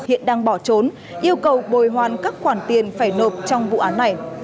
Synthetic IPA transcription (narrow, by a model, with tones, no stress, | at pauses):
hḭ˧˨ənɗaː˧ŋɓɔ˧˩t͡ɕo˨˦n | ʔi˧əwkə˨˩wɓo˨˩jɦwaː˨˩nkaː˦˥k̚xwaː˧˩nt̪i˨˩ənfaː˧˩jno˨˩p̚t͡ɕɔ˧wŋ͡mvṵ˧˨ʔaː˨˦nːa˨˩j